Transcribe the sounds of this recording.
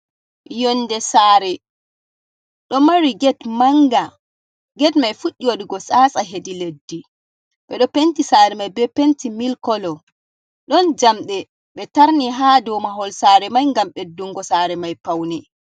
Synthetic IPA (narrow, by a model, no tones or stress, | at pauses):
jɔnːdɛsaːɾɛ | ɗɔmaɾiɡɛtmaŋɡa | ɡɛtmajfuɗːiwoɗiɡɔsasaɦediledːi | ɓɛɗɔpentisaːɾɛmajbɛpentimilkɔlɔ | ɗɔnd͡ʒamɗɛ | ɓɛtaɾniɦadɔmaɦɔlsaɾɛmajŋɡamɓɛdːuŋɡɔsaːɾɛmajpawni